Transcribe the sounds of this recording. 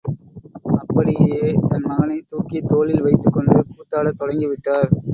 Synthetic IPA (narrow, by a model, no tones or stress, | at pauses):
ɐpːɐɽɪjeːt̪ɐnmɐɣɐnɐɪt̪uːkit̪oːlɪlʋɐɪt̪ːɯkːɔɳɖɯkuːt̪ːaːɽɐt̪ːɔɽɐŋɡɪʋɪʈːaːɾ